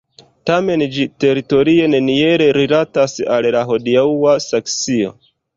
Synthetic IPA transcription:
tame̞nd͡ʒite̞ɾito̞ɾie̞ne̞nie̞ɾe̞ɾilatasallaɦo̞diauwasaksio̞̰

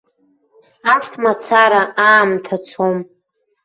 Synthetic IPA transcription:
asmat͡sʰaɾaaːmtʰat͡sʰom

